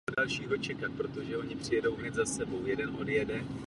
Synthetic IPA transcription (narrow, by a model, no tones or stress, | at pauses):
odalʃiːɦo̞t͡ʃɛkat̪̚pɾo̞t̪o̞ʒɛo̞ɲɪpr̝̥ɪjɛdo̞wɦnɛt̪zasɛbo̞wjɛdɛnʔodjɛdɛ